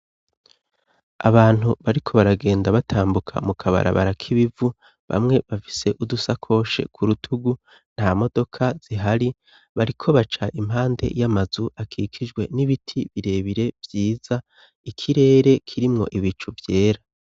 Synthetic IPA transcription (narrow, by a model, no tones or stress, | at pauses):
a̰βaːn̥uβaɾikʰo̞βaɾaɡe̞ːndaβatʰaːmbukʰa̰mukʰaβa̰ɾʔa̰βa̰ɾakʰiβivu | βa̰mŋe̞βafi̥se̞ʔudusakʰo̞ːʃe̞̰kʰuɾutʰuɡu | n̥hamo̞do̞kʰaz̥iɦaɾi | βaɾikʰo̞βat͡ʃaʔim̥ɦaːnde̞̰jamazuʔakʰikʰid͡ʒɡwe̞niβitʰiβiɾe̞ːβiɾe̞vjiːz̥a | ikʰiɾe̞ːɾe̞kʰiɾimŋo̞̰ʔiβit͡ʃuvje̞ːɾa